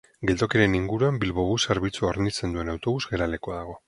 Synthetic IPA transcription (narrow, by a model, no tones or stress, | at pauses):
ɡe̞lt̪okeɾe̞niŋɡuɾuambilβo̞βuseɾβit͡suaoɾnit͡se̞nd̪ue̞nawt̪o̞βuzɣɡe̞ɾale̞koaðaɣ̞o̞